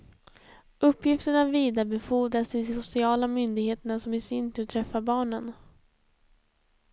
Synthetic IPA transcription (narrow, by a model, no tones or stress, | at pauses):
ɵpːjɪft̪əɳaviːd̪abɛfuːd̪ɾasɪd̪ɪsʊsɪɑːlamʏnd̪ɪɡheːt̪əɳasɔmɪsɪnt̪ʰʉːt̪ʰɾɛfːabɑːɳən